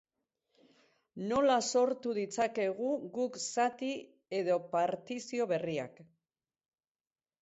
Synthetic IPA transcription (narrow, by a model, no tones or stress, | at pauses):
no̞laso̞ɾt̪uðit͡sake̞ɣ̞uɣuksat̪i | e̞ðo̞paɾt̪isio̞βe̞ria̰k